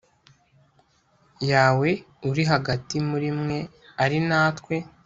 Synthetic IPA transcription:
jaːwe̞ | uɾiɦaɡatimuɾimŋe̞ | aɾinaːtkwe̞

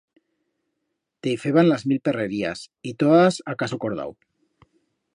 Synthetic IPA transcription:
t̪eifeβanlazmilpereɾia̰sit̪oðasakasukoɾð̞a̰w

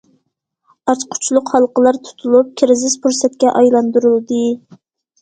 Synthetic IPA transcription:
ɑt͡ʃqʰʊ̥t͡ʃʰlˠʊqhɑlˠqʰəlˠɑɾt̪ʰu̥t̪ʰulˠup̚kʲʰɪɾɪzɪspʰuɾsɛt̪̚kʲɛʔɑjlˠɑnd̪uɾɨlˠd̪ɨ

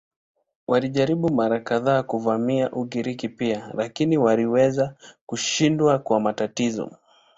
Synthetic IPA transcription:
waliʄaɾiɓumaɾakaðaːkuvamiaʔuɠiɾikipialakiniwaliwɛzakuʃindwakwamatatizɔ̰

